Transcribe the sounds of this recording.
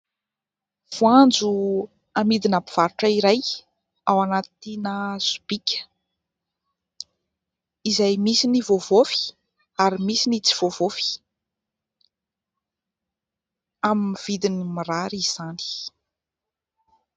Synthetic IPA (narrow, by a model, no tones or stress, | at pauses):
v̥uand͡zu | amid̪inapi̥v̥aɾuʈ͡ʂəiɾaj | awanat̪inəzu̥b̥ikʲə̥ | izajmisinivovofi̥ | aɾimisinit͡siv̥ovofi̥ | aminvid̪inimiɾaɾiz̥ani̥